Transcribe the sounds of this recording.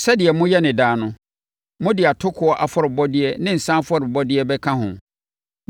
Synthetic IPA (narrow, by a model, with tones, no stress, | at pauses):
sɛ˦dɪ˨ɛ˨mʊ̃˦jɛ˦nɪ̃˨daː˨˦nʊ̃˦ | mʊ̃˦dɪ˨a˨tʰʊ˦kʰʊ˨ɔ˦ʔa˨fɔ˦ɾɪ˨bɔ˦dɪ˦ɛ˦nɪ̃˦n̩˨sã˦fɔ˦˨ɾɪ˨bɔ˦dɪ˦ɛ˦bɛ˦kʰã˦ɦʊ̰̃˨